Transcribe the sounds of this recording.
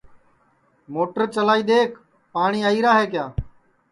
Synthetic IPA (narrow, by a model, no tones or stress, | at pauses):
moːʈəɾt͡ʃəlaːiːɗ̪eːkʰ | paːɳiːaːiːɾaːɦeːkjaː